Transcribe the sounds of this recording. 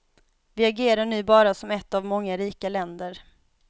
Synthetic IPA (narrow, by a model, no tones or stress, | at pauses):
vɪaɡeːɾaɳʉ̟ːbɑːɾasɔmɛt̪ːavmɔŋːaɾiːkalɛnd̪əɾ